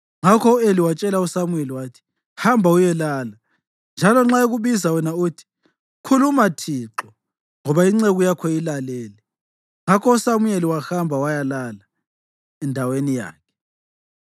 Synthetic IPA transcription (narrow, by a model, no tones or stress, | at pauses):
ŋakʰɔueliwat͡ʃʼɛlausamueliwaːtʰi̥ | hambʱaujɛlaːla | nd͡ʒʱalɔŋ͡ǁaoɣuβizawɛnaoːtʰi̥ | kʰulumatʰiǁɔ | ŋɔβaiŋ͡ǀeɣujakʰɔilalɛːlɛ | ŋakʰɔusamujeliwaxambʱawajalala | ɛndʱawenija̰ːkʰɛ̥